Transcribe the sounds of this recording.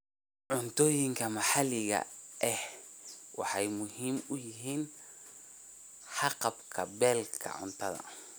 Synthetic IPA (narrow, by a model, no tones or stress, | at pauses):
ʕʊnt̪ʰɔːjɪŋkʰɐmɑħɑlɪɣɐ̰ʔɛhwɑħɑjmʊɦiːmʊjɪɦiːn | ħɑqɑbkʰɐbɛːlkʰɐ̰ʕʊ̰nt̪ʰɐðɐ̰